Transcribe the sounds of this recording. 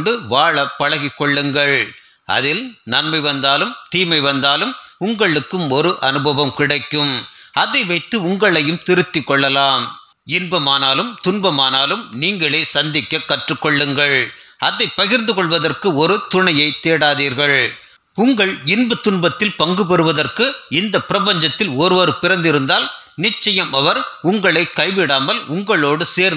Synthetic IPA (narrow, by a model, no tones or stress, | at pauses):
ɳɖɯʋaːɭɐpːɐɻɐɣɪkːɔɭːɯŋɡɐɭ | ʔɐ̰ðɪlnɐnmɐɪʋɐnd̪aːlɯmt̪iːmɐɪʋɐnd̪aːlɯmʊŋɡɐɭɯkːɯmɔɾɯʔɐnɯbɐʋɐmkɪɽɐɪkːɯmɐðɐɪʋɐɪt̪ːɯʊŋɡɐɭɐjɯmt̪ɪɾɯt̪ːɪkːɔɭːɐlaːm | ɪnbɐmaːnaːlɯmt̪ʊɳbɐmaːnaːlɯmniːŋɡɐɭeːsɐnd̪ɪkːɐkːɐʈrɯkːɔɭːɯŋɡɐɭɐðɐɪpːɐɣɪɾnd̪ɯkɔɭʋɐðɐrkɯɔɾɯt̪ʊɳɐjɐɪt̪ːeːɽaːðiːɾɣɐɭ | ʊŋɡɐɭɪnbɐt̪ːʊɳbɐt̪ːɪlpɐŋɡɯpɐɾɯʋɐðɐrkɯɪnd̪ɐpɪɾɐpɐɲd͡ʒɐt̪ːɪlɔɾɯʋɐːɾɯpɪɾɐnd̪ɪɾɯnd̪aːlnɪt͡ʃːɐjɐmɐʋɐɾʊŋɡɐɭɐɪkɐɪʋɪɽaːmɐlʊŋɡɐɭoːɽɯseːɾ